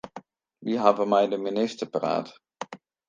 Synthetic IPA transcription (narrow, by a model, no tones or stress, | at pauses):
ʋiɦaːbənmɛjdəminɪstəɹpəra̰ːt